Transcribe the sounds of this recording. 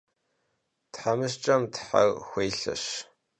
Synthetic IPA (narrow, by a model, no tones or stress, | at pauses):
tħamɨʃt͡ʃʼɐmtʰħa̰ɣxʷeːɬɐ̰ɕ